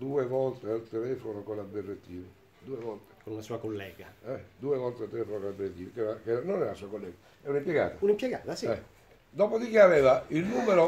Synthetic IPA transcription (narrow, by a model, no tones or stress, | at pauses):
d̪uːevɔlt̪ealt̪elɛːfonokonaberːet̪ːiːve | d̪uːevɔlt̪e̥konunasuːakolːɛːɡaɛd̪uːevɔlt̪ealt̪ːelɛːfonokonlaberːet̪ːiːvkɛɾakɛɾanːonɛɾalasuːakolːɛːɡa | ɛunimpjeɡa̰ːt̪aunimpjeɡaːt̪asɛ | d̪ɔːpod̪ikiavɛːvailnuːmeɾo